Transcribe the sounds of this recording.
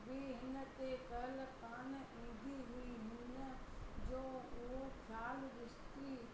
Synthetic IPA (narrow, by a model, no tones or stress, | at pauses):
bʱiːɦɪnət̪ekəlkan | ĩːd̪ʱiɦʊiɦɪnəd͡ʒoːokʰjaːlɾɪst̪iː